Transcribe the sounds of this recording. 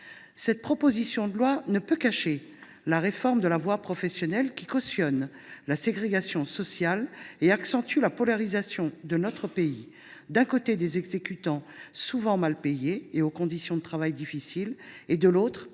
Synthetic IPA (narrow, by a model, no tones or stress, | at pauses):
sɛt̪̚pχɔpozisjɔ̃d̪əlwanəpøkaʃe | laʁefɔʁmd̪əlavwapχɔfɛsjɔnɛlkʲi̥kɔsjɔn | laseɡʁeɡasjɔ̃sɔsjaleaksɑ̃t̪ylapɔlaʁizasjɔ̃d̪ənɔt̪χəpei | d̪ɛ̃kot̪ed̪ezɛɡzekʲyt̪ɑ̃suvɑ̃malpejeeokɔ̃d̪isjɔ̃d̪ət̪χavajd̪ifisiled̪əlot̪χ